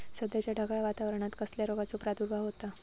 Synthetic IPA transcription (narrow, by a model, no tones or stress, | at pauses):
səd̪jat͡ɕjaɖʱəɡɭaʋat̪aʋəɾəɳ̃at̪kəsljaɾoɡat͡sopɾat̪uɾbʱaʋɦot̪a